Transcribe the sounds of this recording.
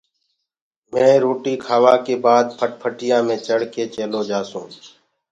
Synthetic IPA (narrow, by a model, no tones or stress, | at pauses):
mɛ̃ːɾoːʈiːkʰaːʋaːkeːbaːd̪̚pʰəʈ̚pʰəʈɪjãːmẽːt͡ʃəɽ̤keːt͡ʃeːloːd͡ʒaːsṵ̃ː